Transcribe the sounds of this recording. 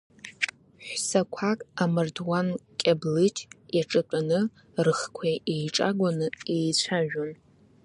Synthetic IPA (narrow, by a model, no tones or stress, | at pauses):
ħʷsakʷʰakʼamɨrdwankʲʼablɨtʰʼjaʈ͡ʂʼɨpʼanɨ | rɨχkʷʰaʔejʈ͡ʂʼa̰ɡʷanɨejt͡ɕʷʰaʒᶣon